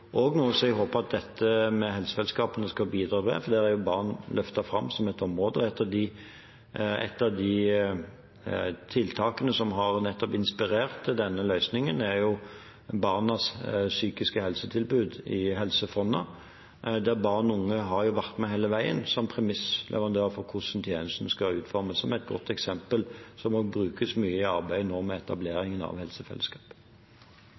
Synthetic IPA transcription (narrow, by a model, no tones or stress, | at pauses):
ʔɔɡnoːsɔɛɡɦoːpəɑt̪̚d̪ɛt̪ːəmɛɦɛlsə̥sɛlskɑːpənəskɑbiːd̪ɾɑːʋɛ̰fɔd̪æɾæɾjʊbɑʁnlʔœft̪ɑfɾɑmːsɔmɛt̪ɔmʁoːd̪əɛt̪ʰːəd̪ɪ | ɛ̰t̪ːɑd̪ɪ | t̪ʰɪlt̪ʰɑːkənəsɔmɦɑʁnɛt̪ːɔpɪnspɪɾeːʁt̪ːɪd̪ɛnːəlœʏsnɪŋənæɾjʊ | bɑʁnɑssyːkɪskəhɛlsət̪ʰɪlbʉːd̪ɪɦɛlsəfɔnːɑ̰ | d̪æʁbɑːʁnʊŋːəɦɑɾjʊʋæʁt̪mɛɦeːləʋæɪə̰nsɔmpʰʁɛmɪslʔɛ̰ʋɑnd̪øːʁfɔɾkʰʊsnt̪ʰjeːnəst̪n̩skɑʉːt̪fɔɾməssɔmɛɪt̪̚ɡɔ̰t̪ːɛksɛmpəlsɔmoɡbɾʉːkəsmyːəɪɑʁbæɪnɔʁmɛɛt̪ɑbleːɾɪŋənɑ̰ʋhɛlsəfɛ̰lːəskɑ̥ːp